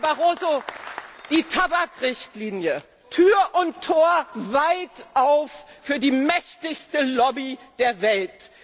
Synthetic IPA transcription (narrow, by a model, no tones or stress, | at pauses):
baʁoːzo | d̥iːtʰabakʁɪçtliːnjə | tʰyːɐʔʊntʰːoːɐvaɪtʔaʊffyːɐdiːmɛçtɪçstəlɔbid̥eːɐvɛlt